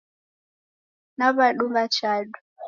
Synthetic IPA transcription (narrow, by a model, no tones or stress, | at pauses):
naβaɗumβat͡ʃaɗu